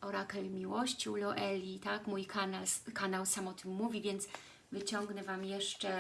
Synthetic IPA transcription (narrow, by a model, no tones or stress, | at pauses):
ɔɾakɛlmʲiwɔɕt͡ɕiulɔʔɛlʲit̪akmujkʰanalskanawsamɔt̪ʰɘmːuvʲivʲjɛnt̪s | vɘt͡ɕɔŋɡnɛvamjɛʂt͡ʂɛ